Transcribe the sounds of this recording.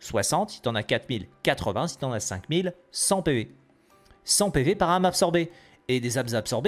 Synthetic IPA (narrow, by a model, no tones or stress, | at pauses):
swasɑ̃t̪it̪ɑ̃nakat̪χmilkat̪χəvɛ̃sit̪ɑ̃nasɛ̰̃kmil | sɑ̃peve | sɑ̃pevepaʁamapsɔʁbe | ed̪ezabzapsɔʁb